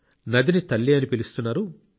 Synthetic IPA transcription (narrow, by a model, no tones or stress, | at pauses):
nɐd̪init̪ɐlːijɐnipilist̪unːaːɾu